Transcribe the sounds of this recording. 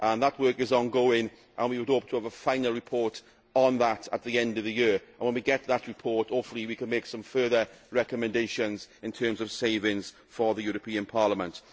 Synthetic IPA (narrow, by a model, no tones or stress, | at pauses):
ʔə̃nðət̚wɜˑ˞kɪzɔ̃nɡoʊɪ̃ŋ | ʔə̃nwiwədoʊptʰəːvəfãɪ̃nlˠɹɪpʰɔɹt | n̩ðətə̰t̪̚ðiɛ̃ndəvðəjɪɹə̃nwə̃nwiɡɛtʰðəʔɹɪpʰɔɹtoʊpfəlˠiwikʰə̃nmeɪksə̃ɱfɜːðəɹɛkəmɛ̃ndeɪʃə̃nzɪ̃ntʰɜːmzəv̥seɪvɪ̃ŋz̥ | fəðəjʊːɹəpʰĩə̃npʰɑːləmə̃nt